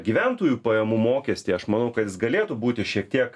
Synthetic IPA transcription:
ɡʲiːʋʲɛnt̪oːjuːpɐjɛmumoːkʲɛsʲt̪ʲiːɐʃmɐnɐʊkɐt̪jɪsɡɐlʲeːt̪ubuːt̪ʲɪʃʲiɛk̚t̪ʲiɛk

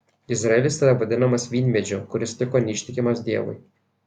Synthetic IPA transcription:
ɪzɾɐɛlʲɪsiɾɐʋɐd̪ʲɪnɐmɐsʋʲiːnʲmʲɛd͡ʒʲʊkʊɾʲɪst̪ʲɪkoːnʲiːʃʲt̪ʲɪkʲɪmɐsd̪ʲiɛʋʊ̰ɪj

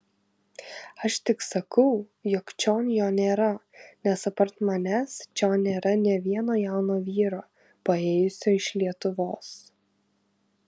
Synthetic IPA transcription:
ɐʃt̪ʲɪksɐkɐʊjɔkt͡ʃʲoːnjoːnʲeːɾɐnʲɛsɐpɐɾt̪mɐnʲæːst͡ʃʲoːnnʲeːɾɐnʲɛʋʲiɛnoːjaˑʊnoːʋʲiːɾoː | pɐeːjʊsʲoːɪʃlʲiɛt̪ʊʋoːs

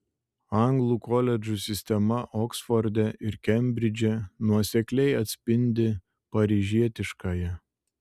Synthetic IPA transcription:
ɐŋɡlˠukɔːlʲɛd͡ʒusʲɪsʲt̪ʲɛmɐʔɔksfɔɾʲd̪ʲɛʔɪɾkʲɛmʲbʲɾʲɪd͡ʒʲɛnuɔsʲɛklʲɛɪɐt̪ʲsʲpʲɪnʲd̪ʲɪ | pɐɾʲiːʒʲiɛt̪ʲɪʃkɐjɛ

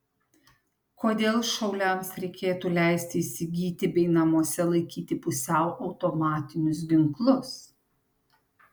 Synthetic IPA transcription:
koːd̪ʲeːlˠʃɐʊlʲɛmsɾʲɛɪkʲeːt̪uːlʲæˑɪsʲt̪ʲɪɪsʲɪɡʲiːt̪ʲɪbʲɛɪnɐmoːsʲɛlˠɐɪkʲiːt̪ʲɪpʊsʲɛʊʔɐʊt̪ɔmɑːt̪ʲɪnʲʊs̬ɡʲɪŋklˠʊs

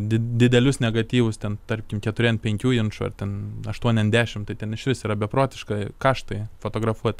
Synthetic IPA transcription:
d̪ʲɪd̪ʲɪd̪ʲɛlʲʊsnʲɛɡɐt̪ʲiːʋʊst̪ʲɛnt̪ɐrʲpʲkʲɪmkʲɛt̪ʊɾʲiɛnpʲɛŋʲkʲuːjɪnʃʊɐ̰t̪ʲɛnɐʃt̪uɔnʲɛzʲd̪ʲæːʃʲɪmt̪ɐɪt̪ʲɛnɪʃʲʋʲɪsiːɾɐbʲɛpɾoːt̪ʲɪʃkɐkɑːʃt̪ɐɪfot̪oːɡɾɐfuɔt̪ʲ

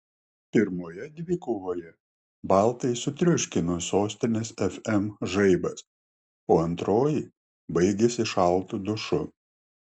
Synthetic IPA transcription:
pʲɪɾmoːjɛd̪ʲʋʲɪkoːʋoːjɛ | bɑˑlˠt̪ɐɪsʊt̪ʲɾʲʊʃʲkʲɪnosoːsʲt̪ʲɪnʲɛsɛfʲɛmʒɐɪbɐs | oːɐnt̪ɾoːji | bɐɪɡʲesʲɪʃɐlˠt̪ud̪ʊʃʊ

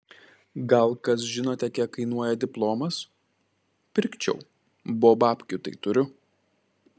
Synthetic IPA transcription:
ɡɐlˠkɐs̬ʒʲɪnoːt̪ʲɛkʲiɛkkɐɪnuɔjɛd̪ʲɪplˠoːmɐs | pʲɪɾʲkʲt͡ʃʲɛ̰ʊ | boːbɑːpʲkʲʊt̪ɐ̰ɪt̪ʊɾʲʊ

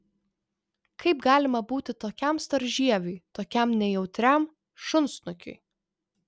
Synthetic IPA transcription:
kɐɪpɡɑːlʲɪmɐbuːt̪ʲɪt̪oːkʲæˑmst̪ɐɾʲʒʲiɛʋʲʊɪt̪oːkʲɛˑmnʲɛjɛʊt̪ʲɾʲæˑm | ʃʊnsnʊkʲʊ̰ɪ

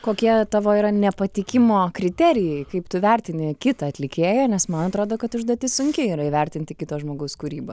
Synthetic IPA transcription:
koːkʲiɛt̪ɑʋoːiːɾɐnʲɛpɐt̪ʲɪkʲɪmoːkɾʲɪt̪ʲɛɾʲɪjɛɪkɐɪpt̪ʊʋʲɛɾʲt̪ʲɪnʲɪkʲɪt̪ɐɐt̪ʲlʲɪkʲeːjɛnʲɛsmɐnɐt̪ɾoːd̪oːkɐt̪ʊʒd̪ɐːt̪ʲɪsʊŋʲkʲɪiːɾɐiʋʲɛɾʲt̪ʲɪnʲt̪ʲɪkʲɪt̪oːʒmoːɡɐʊskuːɾʲiːbɐ

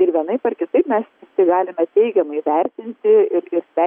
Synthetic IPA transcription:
ɪɾʋʲiɛnɐɪpɐrkʲɪt̪ɐɪpmʲɛstʲɪk̚t̪ɐɪɡɑːlʲɪmʲɛt̪ʲɛɪɡʲɛmɐɪʋʲɛɾʲt̪ʲɪnʲt̪ʲɪɪɾɪɾsʲɛ

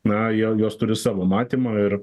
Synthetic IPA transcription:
nɐjɛjoːst̪ʊɾʲɪsɑːʋoːmɑːt̪ʲiːmɑːɪɾ

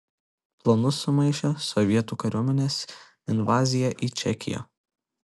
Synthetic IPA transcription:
plˠɐnʊsʊmɐɪʃʲosɔʋʲiɛt̪uːkɐɾʲuɔmʲɛnʲeːs | ɪnʋɑːzʲɪjɛʔiːt͡ʃʲɛkʲɪ̰jo̰

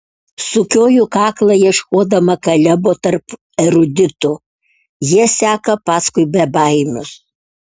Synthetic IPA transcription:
sʊkʲoːjʊkɑːklˠɐjiɛʃkoːd̪ɐmɐkɐlʲɛboːt̪ɐɾp | ɛɾʊd̪ʲɪt̪ʊ | jiɛsʲæːkɐpɑːskʊɪbʲɛbɐɪmʲʊs

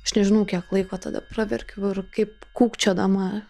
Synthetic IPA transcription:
ɐʃnʲɛʒʲɪnɐʊkʲiɛklˠɐɪkoːt̪ɐ̰d̪ɐ̰prɑʋʲɛ̰rʲkʲɛʊɪrkɐɪp̚kuːkt͡ʃʲoːd̪ɐmɑ

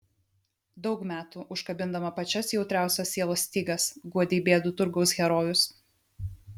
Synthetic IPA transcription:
d̪ɒʊkmʲæːt̪uːʔʊʃkɐbʲɪnd̪ɐmɐpɐt͡ʃʲɛsjɛʊt̪ɾʲæˑʊsʲoːsːʲiɛlˠoːsʲt̪ʲiːɡɐsɡuɔd̪ʲiːbʲeːd̪ʊt̪ʊɾɡɒʊsɣʲɛɾoːjʊs

